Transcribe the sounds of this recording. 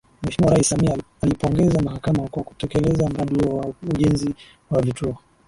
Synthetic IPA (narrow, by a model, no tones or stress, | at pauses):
mwɛʃmiwaɾaisːamia | alipɔŋɡɛzamahakamakwaku̥tɛkɛlɛzam̩ɾaɗiwauʄɛnzi | wavituɔ